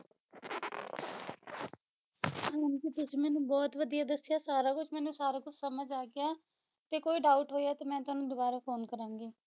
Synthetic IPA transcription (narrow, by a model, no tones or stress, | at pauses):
ãːnkiːt̪ʊsiːmɛːnũːbɔːt̪ʋəd̪ijaːd̪əsɪjaːsaːɾaːkʊt͡ʃʰmɛ̃ːnũːsaːɾaːkʊt͡ʃʰsəməd͡ʒaːɡɪjaː | t̪eːkoːiːɖaːʊʈɦoːiɛːt̪eːmɛ̃ːt̪ʊaːnũːd̪ʊbaːɾaːpʰoːnkəɾãːŋɡiː